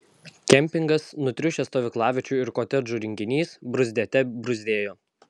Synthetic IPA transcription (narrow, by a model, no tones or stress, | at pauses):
kʲɛmʲpʲɪŋɡɐsnʊt̪ʲɾʲʊʃʲɛst̪oːʋʲɪklˠɑːʋʲɪt͡ʃʲuːˑɪɾkoːt̪ʲɛɾd͡ʒuːɾʲɪŋʲɡʲɪnʲiːsbɾʊzʲd̪ʲeːt̪ʲɛbɾʊzʲd̪ʲeːjoː